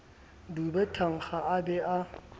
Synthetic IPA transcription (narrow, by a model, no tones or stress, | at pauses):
dubɛtʰaŋ̩χaʔabɛa